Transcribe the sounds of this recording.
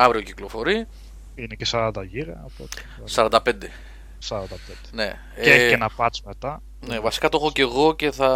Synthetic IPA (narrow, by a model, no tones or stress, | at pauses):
ɐvɾio̞ciklofo̞ɾi | inecesɐɾɐnd̪ɐʝiɾɐːpot̪e̥ | sɐɾɐnd̪ɐpe̞nd̪e | sɐɾɐnd̪ɐpend̪ene̞ | eenɐpɐt͡smet̪ɐ | nevɐsi̥kɐt̪o̞xoce̞ɣo̞ce̞θɐ